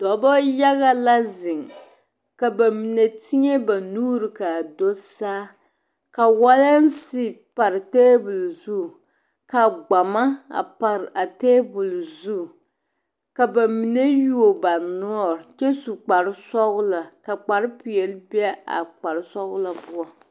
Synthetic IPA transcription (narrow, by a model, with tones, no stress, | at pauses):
dɔ˨˦bɔ˦ja˦ɣa˦la˦zɪ˨ŋ | ka˨ba˨mi˨ne˨tʰi˦ɲe˦ba˨nuː˦ɾi˨ka˨do˦saː˦ | ka˨wa˦la˦n˦sɪ˦pa˨ɾɪ˨teː˦bʊ˨lzu˦˨ | ka˨ɡ͡ba˨ma˦a̰˨pa˨ɾʔa˨teː˦bʊ˨lzu˦˨ | ka˨ba˨mi˨ne˦ju˦o˨ba˨nɔ˦ɔ˦ɾt͡ʃɛ˦su˨k͡pa˨ɾɪ˦sɔ˦ɣʊ˦la˨ka˨k͡pa˨ɾɪ˦pi˨ɛ˨lbi˦ɛ˦a̰˨k͡pa˨ɾɪ˨sɔ˦ɣʊ˦la˨bʊ˦a˨